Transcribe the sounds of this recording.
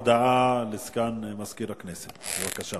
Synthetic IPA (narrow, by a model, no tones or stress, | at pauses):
d̪aʔalɪskaːnmaskiːɾakneːsɪwakːaʃa